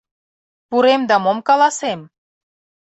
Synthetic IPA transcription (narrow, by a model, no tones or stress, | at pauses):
puɾemd̪ɑmomkɑlɑsem